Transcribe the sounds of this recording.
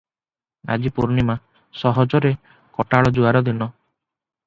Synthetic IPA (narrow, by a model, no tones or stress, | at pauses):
a̰d͡ʒipuɾnima | sɔɦɔd͡ʒɔɾe | kɔʈaɭɔd͡ʒuaɾɔd̪inɔ